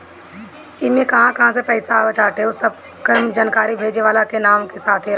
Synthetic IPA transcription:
ɪmẽkɐɦãkɐɦãs̬epəɪsaʋət͡ʃaːʈeosəb | kəmd͡ʒaːnkaːɾibʱeːd͡ʒeʋaːlakenaːmkesaːt̪ʰeɾ

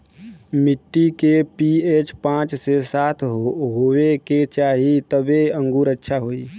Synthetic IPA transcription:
mɪʈːikepieːt͡ʃpãːt͡ʃsesaːt̪ʰɦoɦoeket͡ʃaːɦit̪əbeə̃ŋɡuːɾətːʃʰaɦoːiː

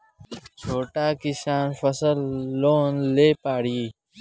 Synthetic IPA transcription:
t͡ɕʰoːʈaːkiɕaːnfɐsəlːoːnleːpaːɽiː

